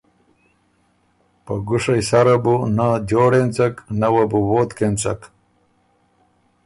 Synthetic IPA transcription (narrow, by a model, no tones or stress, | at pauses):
pɐɡuʂɐjsɐɾɐbunad͡ʑoːɽent͡sɐknɐwɐbuwoːt̪kent͡sɐ̰k